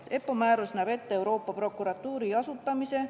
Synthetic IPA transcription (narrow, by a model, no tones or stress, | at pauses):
e̞pːˑo̞mæːɾusnæbe̞t̪ːeewɾo̞ːpːɑpro̞kːˑuɾɑt̪ːuːɾiɑsut̪ˑːɑmise̞